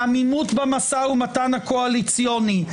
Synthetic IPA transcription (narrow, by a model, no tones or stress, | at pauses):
amimut̪bemasaumat̪anhakoalit͡sijo̞ni